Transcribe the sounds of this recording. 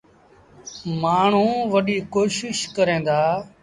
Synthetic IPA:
maːɳ̤ũːʋəɗiːkoːʃɪʃkəɾẽːnd̪aː

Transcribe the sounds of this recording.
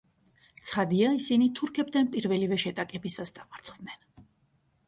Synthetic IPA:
t̪sʰχad̪iaisinit̪ʰuɾkʰɛbd̪anpʼiɾvɛlivɛʃɛt̪ʼakʼɛbisasd̪amʼaɾt̪sʰχd̪nɛn

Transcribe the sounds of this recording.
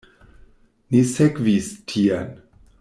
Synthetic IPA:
nisɛkvistʰian

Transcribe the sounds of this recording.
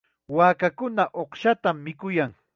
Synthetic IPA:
waːkakʊnaʔoχʃat̪amːɪkʊjaŋ

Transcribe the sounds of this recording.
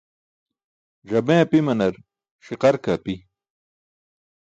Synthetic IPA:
d͡ʑɐbẽːɐpimɐnɐɾ | ɕiqɐɾkapi

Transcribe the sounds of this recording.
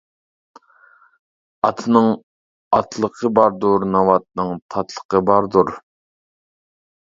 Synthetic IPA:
ɑt̪ʰɨnɨŋ | ɑt̪ʰlˠəqʰəbɑɾd̪uɾnɑwɑt̪̚nɨŋt̪ʰɑt̪ʰlˠə̥qʰəbɑɾd̪uɾ

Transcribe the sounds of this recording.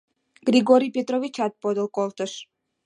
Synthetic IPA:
ɡ̥ɾiɡoɾijpʲet̪ɾovit͡ɕɑt̪̚pod̪əlˠkolt̪əʃ

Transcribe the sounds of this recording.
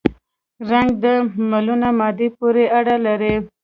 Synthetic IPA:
ɾaŋɡ̚d̪əmalunamɑd̪ipuɾeaɽalaɾe

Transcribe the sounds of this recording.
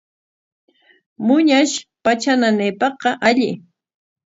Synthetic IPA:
mʊɲaʃpat͡ʃananɪjpɑχqɑʔaʎɪ̰

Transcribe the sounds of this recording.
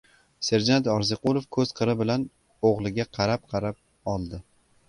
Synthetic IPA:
se̞ɾd͡ʒant̪ɒɾzɪqʊlˠofkʰɵz̥qʰɨɾɪbɪlan | oʁlˠɪɡʲaqʰɑɾap̚qʰɑɾap̚ | ɒlˠd̪ɪ

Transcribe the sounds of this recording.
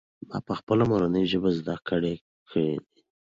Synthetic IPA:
mɑ̰pəxpəlamoɾanəjʒəbazd̪akəɽe | kʰəɽḛd̪i

